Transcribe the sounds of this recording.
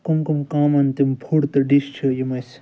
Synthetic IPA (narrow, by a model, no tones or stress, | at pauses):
kumkumkaːmɐnt̪impʰuɽt̪ɐɖist͡ʃʰijimɐs